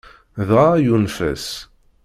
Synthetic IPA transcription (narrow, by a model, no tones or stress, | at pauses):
ðʁajunfə̰s